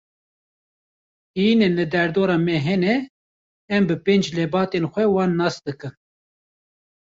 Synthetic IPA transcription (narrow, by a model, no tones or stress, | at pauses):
iːnɨnlɨd̪ɛɾd̪oːɾɑːmɛɦɛnɛ | ɛmbɨpeːnd͡ʒlɛbɑːt̪enxʷɛwɑːnːɑːsd̪ɨkɨn